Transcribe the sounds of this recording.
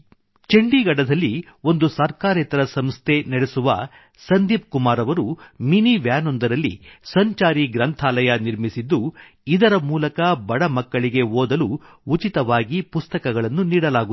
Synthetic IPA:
t͡ʃeɳɖiɡɐɽɐd̪ɐlːi | o̞nd̪usɐɾkaːɾɛt̪ɐɾɐsɐmst̪ʰe̞nɐɽesuʋɐ̰ | sɐnd̪iːp̚kumaːɾɐʋɐɾuminiʋjaːnond̪ɐɾɐlːḭsɐɲt͡ʃaːɾiɡɾɐnt̪ʰaːlɐjɐniɾmisid̪ːu | id̪ɐɾɐmuːlɐkɐbɐɽɐmɐkːɐɭiɡe̞ɦoːd̪ɐluː | t͡ʃit̪ɐʋaːɡipust̪ɐkɐɡɐɭɐnːuniːɽɐlaːɡu

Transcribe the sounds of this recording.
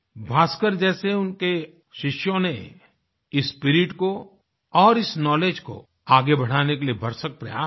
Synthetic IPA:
bʱaːskəɾd͡ʒɛːseʊnke | ʃɪʃjõne | ɪspɪɾɪʈko | ɔːɾɪsnɔːleːd͡ʒko̰ | aːɡebɐɽ̤aːnekeliebʱɐɾsək̚pɾɐ̰jaː

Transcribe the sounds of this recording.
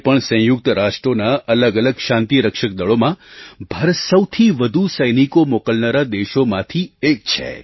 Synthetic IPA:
pəɳsə̃jʊk̚t̪ɾaʃʈɾonaʔələɡələɡʃãnt̪iɾəkʃək̚d̪əɭomãbʱaɾəsəwt̪ʰiʋəd̪ʱusəjnikomokəlnaɾad̪eʃomãt̪ʰiek̚t͡ʃʰḛ

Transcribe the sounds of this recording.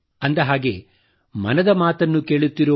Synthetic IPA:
ɐnd̪ɐɦaːɡe̞ | mɐ̰nɐd̪ɐmaːt̪ɐnːuke̞ːɭut̪ːiɾu

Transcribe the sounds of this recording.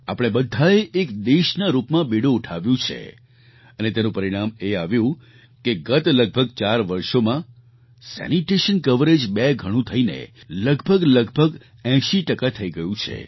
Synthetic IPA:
apəɽ̃ebəd̪ʱːaeʔekd̪eʃnaɾupmãbiɽũːʈʰaʋjũt͡ʃʰḛ | ənet̪enũpəɾiɽ̃ameaʋjũ | keɡət̪ləɡ̚bʱəɡ̚t͡ʃaɾʋəɾʃomã | sɛ̰niʈeʃənkəʋɾed͡ʒbɛɡʱəɽ̃ũt̪ʰəinḛ | ləɡbʱəɡləɡbʱəɡ | ɛ̃ʃiʈəkat̪ʰəiɡəjũt͡ʃʰḛ

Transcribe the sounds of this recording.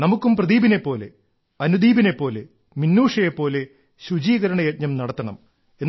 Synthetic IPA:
nɐmukːumprɐðiːbine̞pːo̞ːle̞̰ | ɐnud̪iːbine̞pːo̞ːle | minːuːʂɐjepːo̞ːle̞ | ɕud͡ʑiːɣɐɾɐɳɐjet̚ɲɐmnɐɽɐt̪ːɐɳɐm | en

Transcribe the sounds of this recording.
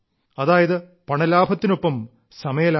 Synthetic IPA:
ɐðaːjɐðɨ | pɐɳɐlaːbʱɐt̪ːinopːɐm | sɐmɐjɐla

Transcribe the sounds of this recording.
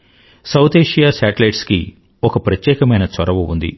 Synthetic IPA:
sɐwt̪eːʂijaːsaːʈɐlɐjʈskḭ | ɔkɐpɾɐt̪jɛːkɐmɐjnɐt͡ʃɐɾɐʋuund̪ḭ

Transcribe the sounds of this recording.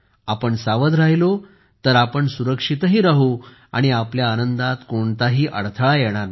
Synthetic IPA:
apəɳsaʋəd̪ɾaɦilo | t̪əɾapəɳsuɾəkʂit̪ɦiːɾaɦu | a̰ɽ̃iapljaːnənd̪at̪koɳt̪aɦiːʔə̰ɽt̪ʰəɭajɛɽ̃aɾna

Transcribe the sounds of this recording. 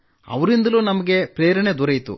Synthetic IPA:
ɐ̰ʋɐɾind̪ɐluːnɐmɐɡe̞pɾeːɾɐɳed̪uɾɐjt̪ṵ

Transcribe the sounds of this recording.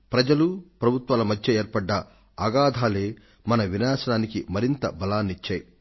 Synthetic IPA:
pɾɐd͡ʒɐlupɾɐbʱut̪ʋaːlɐmɐd̪ʰʱjeeːɾpɐɖːɐː | ɡaːd̪ʱaːleː | mɐnɐʋinaːʃɐnaːnikimɐɾint̪ɐ̰bɐlaːnit͡ʃːaːji

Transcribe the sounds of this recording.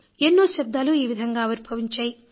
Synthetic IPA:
enːoːʃɐb̚d̪aːluiːʋid̪ʱɐŋɡaːɐʋuɾbʱɐʋiɲt͡ʃaːji

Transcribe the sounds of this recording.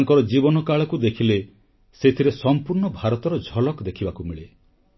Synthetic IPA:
ŋkɔɾɔd͡ʒibɔnɔkaɭɔkud̪ekʰile | set̪ʰiɾesɔmpuɾɳɔbʱaɾɔt̪ɔɾɔd͡ʒʱɔlɔkd̪ekʰibakumiɭe

